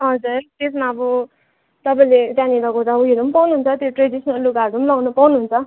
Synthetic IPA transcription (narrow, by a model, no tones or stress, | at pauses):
ɦʌd͡zurt̪esmaːbʌ | t̪ʌpaĩlet̪jãnid̪akodaujiɾumpawnuɦunt͡sʰʌt̪joʈredisnʌlːukaɖumlawnupawnuɦunt͡sʰʌ